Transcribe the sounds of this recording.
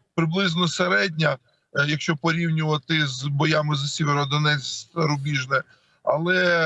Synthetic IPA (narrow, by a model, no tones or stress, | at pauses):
pɾɪblˠɪznɔseɾɛdʲnʲɐ | jɐkʃt͡ʃɔpɔɾʲiwnʲʊʋɐt̪ɪzbɔjamɪzɐsʲɛʋeɾʊɔd̪ɔnɛt̪ɐɾʊbʲiʒnɛ | ɐlˠɛ